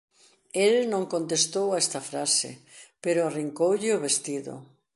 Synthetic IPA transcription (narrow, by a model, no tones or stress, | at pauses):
elnõŋkõnt̪est̪owaɛst̪ɐfɾasḛpeɾoariŋkowʎɪʊβest̪iðo̰